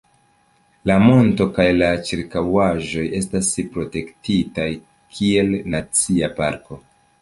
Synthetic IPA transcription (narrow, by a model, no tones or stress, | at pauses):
lamo̞nto̞kajlat͡ʃiɾkawaʒo̞je̞staspɾo̞te̞ktitaj | kʰie̞lnat͡siapa̰ɾko̞